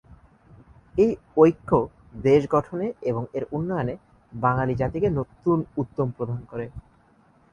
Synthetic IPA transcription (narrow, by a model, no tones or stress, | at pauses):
ej | ojkʰːo | d̪eʃɡɔʈʰoneeboŋeɾunːojone | baŋalid͡ʑat̪ikenot̪unut̪ːompɾod̪ʱankoɾe